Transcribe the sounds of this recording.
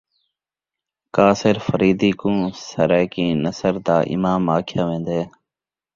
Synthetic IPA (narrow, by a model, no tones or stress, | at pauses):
kaːsɪɾfəɾiːd̪iːkũːsəɾɛːkĩːnəsəɾd̪aːʔɪ̰maːmaːkʰjaːʋẽːnd̪eː